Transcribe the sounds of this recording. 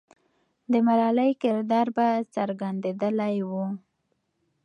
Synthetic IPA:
d̪əmalɑləjkɪɾd̪ɑɾbat͡səɾɡand̪ed̪əlajwu

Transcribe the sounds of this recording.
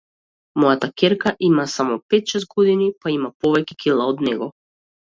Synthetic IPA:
mɔjat̪akɛɾkaʔimasamɔpɛt̪ʃɛzt̪̚ɡɔd̪inipaimapɔvɛcɛ̥kʲʰilˠaɔd̪nɛɡɔ

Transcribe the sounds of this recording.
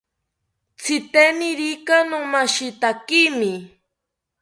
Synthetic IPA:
t͡sʰɪt̪eniɾikanomaʃit̪akimi

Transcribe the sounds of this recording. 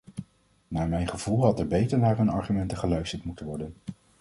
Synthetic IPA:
naːɹmɛjnχəvulˠɦɑtɛɹbejtəɹnaːɹɦɵnɑ̰ɹχymɛntəχəlœɥstəɹtmutəʋɔɹdən

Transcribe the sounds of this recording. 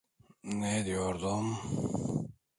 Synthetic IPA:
ned̪ijoɾd̪om

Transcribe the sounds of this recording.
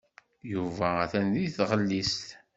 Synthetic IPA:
juvææθænðiθʁəlːist̪

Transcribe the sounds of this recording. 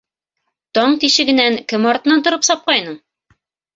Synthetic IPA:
t̪ɒɴt̪iʃɘ̆ɡɘ̆næŋkɘmɑɾt̪ɤ̆nɑnt̪ŏɾɤpsɒp̚qɑjnɤɴ

